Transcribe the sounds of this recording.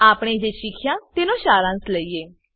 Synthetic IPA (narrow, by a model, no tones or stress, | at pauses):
aːpɽ̃eːd͡ʒeːʃɪkʰɪjãːt̪ɪnõːʃaːɾãːsləiːeː